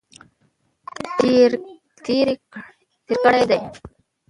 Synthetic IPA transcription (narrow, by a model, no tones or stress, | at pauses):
t̪iːɾi | t̪ɪɾkɐɽɐjd̪ɐɪ